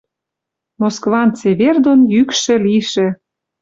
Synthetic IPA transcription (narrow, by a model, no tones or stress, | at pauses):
moskvɑnt͡seβerd̪onjykʃĕliʃĕ